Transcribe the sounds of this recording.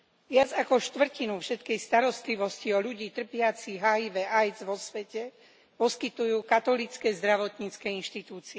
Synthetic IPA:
ʋɪad͡zakɔʃt̪ʋr̩cinufʃɛt̪kɛjst̪aɾɔst̪liʋɔsciɔʎuɟiːt̪r̩pɪat͡siɦaiʋɛʔajd͡zʋɔsʋɛcɛ | pɔskit̪ujuːkat̪ɔlit͡skɛzd̪ɾaʋɔt̪ɲiːt͡skɛːinʃt̪it̪uːt͡siɛ

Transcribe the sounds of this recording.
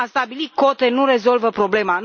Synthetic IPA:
ast̪abiliko̞t̪e̞nuɾe̞zo̞lvəpɾo̞ble̞man

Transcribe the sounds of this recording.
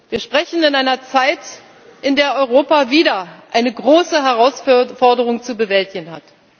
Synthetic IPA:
viːɐʃpʁ̥ɛçn̩ɪnaɪnɐt͡saɪt | ʔɪndeːɐʔɔʏʁoːpaviːdɐʔaɪnəɡʁoːsəɦɛʁ̞aʊsfɔɐdəʁ̞ʊŋt͡subəvɛltɪɡn̩ɦa̰t

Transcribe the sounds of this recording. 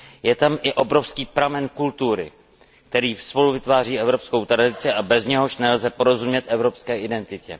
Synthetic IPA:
jɛt̪amʔɪʔo̞bɾo̞fskiːpɾamɛnkult̪uɾɪ̰ | k̚t̪ɛɾiːfspo̞luvɪt̪vaːr̝iːɛvɾo̞psko̞wt̪ɾadɪt͡sɪʔabɛzɲɛɦo̞ʃnɛlzɛpo̞ɾo̞zumɲɛt̪ʔɛvɾo̞pskɛːʔɪdɛnt̪ɪcɛ̰

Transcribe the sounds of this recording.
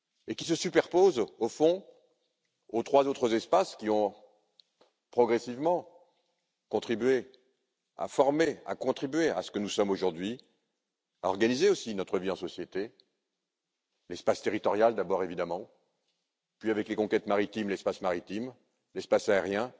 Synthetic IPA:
ekʲis̬əsypɛʁpozofɔ̃ | ot̪χwazot̪χəzɛspaskʲiɔ̃ | pχɔɡʁɛsivmɑ̃ | kɔ̃t̪χibɥe | a̰fɔʁmea̰kɔ̃t̪χibɥea̰sə̥kənusɔmoʒuʁd̪ɥi | aɔʁɡanizeosinɔt̪χəviɑ̃sɔsjet̪e | lɛspast̪eʁit̪ɔʁjald̪abɔʁevid̪amɑ̃ | pɥiavɛklekɔ̃kʲɛt̪maʁit̪imlɛspasmaʁit̪im | lɛspasaeʁjɛ̃

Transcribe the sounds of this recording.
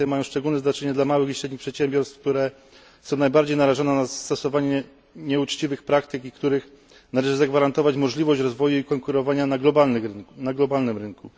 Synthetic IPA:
ɛmajɔ̃w̃ʂt͡ʂɛɡulnɛznat͡ʂɛɲɛd̪lamawɘxiɕɾɛd̪ɲipʂɛt̪ɕɛmbʲjɔɾst̪fkt̪uɾɛ | sɔ̃w̃najbaɾd͡ʑejnaɾaʐɔnɛnast̪ɔsɔvaɲɛ | ɲɛut͡ʂt͡ɕivɘxpɾakt̪ɘkikt̪uɾɘx | nalɛʐɘzaɡvaɾant̪ɔvat͡ɕmɔʐlʲivɔɕt͡ɕɾɔzvɔjuikɔŋkuɾɔvaɲanaɡlɔbannaɡlɔbalnɘmɾɘnku

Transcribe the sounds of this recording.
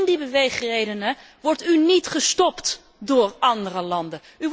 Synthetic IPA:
ndibəʋejχrejdənə | ʋɔɹtynitχəstɔpt | dʊːɹɑndərəlɑndə | y

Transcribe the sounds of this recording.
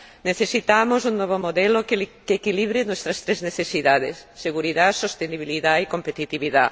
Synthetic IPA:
neθesit̪amosuŋnɔβomoðɛloklkekiliβɾenwɛst̪ɾɐst̪ɾezneθesiðaðḛsːeɣuɾiðasost̪eniβiliðaikompet̪it̪iβiða̰

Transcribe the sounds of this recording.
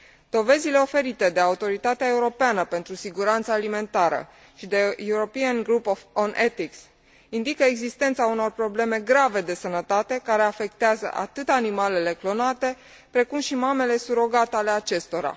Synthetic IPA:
d̪o̞ve̞zile̞o̞fe̞ɾit̪e̞d̪e̞aut̪o̞ɾit̪at̪eae̞uɾo̞peanəpe̞nt̪ɾusiɡuɾant̪saːlime̞nt̪aɾə̰ | ʃid̪e̞juuɾo̞pianɡɾupofonʔet̪iks | ind̪ikəeɡzist̪e̞nt̪sauno̞rpɾo̞ble̞me̞ɡɾave̞d̪e̞sənət̪at̪e̞kaɾe̞afe̞kt̪eazə̰ʔa̰t̪ɨt̪animale̞le̞klo̞nat̪e̞ | pɾe̞kumʃimame̞le̞suɾo̞ɡat̪eale̞at͡ʃe̞st̪o̞ɾa̰

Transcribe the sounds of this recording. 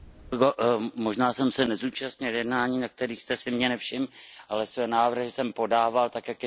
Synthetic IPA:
ɡomoʒnaːsɛmsɛnɛzuːt͡ʃast̪ɲɪljɛdnaːɲiːnak̚t̪ɛɾiːxst̪ɛsɪmɲɛnɛfʃɪmʔalɛsvɛːnaːvr̩ɦɪsɛmpo̞daːvalt̪akjakjɛ

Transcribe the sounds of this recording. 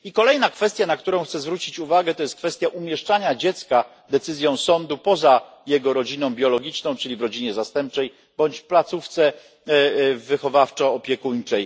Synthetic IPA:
ikɔlɛjnakfɛst̪ʲjanakt̪uɾɔ̃w̃xt̪sɛzvɾut͡ɕit͡ɕuvaɡɛt̪ɔjɛst̪kfɛst̪ʲjaʔumʲjɛʂt͡ʂaɲad͡ʑɛt̪ska | d̪ɛt̪sɘzʲjɔ̃w̃sɔnd̪upɔza | jɛɡɔɾɔd͡ʑinɔ̃w̃bʲjɔlɔɡʲit͡ʂnɔ̃w̃t͡ʂɘlʲivɾɔd͡ʑiɲɛzast̪ɛmp̚t͡ʂɛj | b̥ɔɲt͡ɕplat̪suft̪sɛ | vɘxɔvaft͡ʂɔɔpʲjɛkuɲt͡ʂɛj

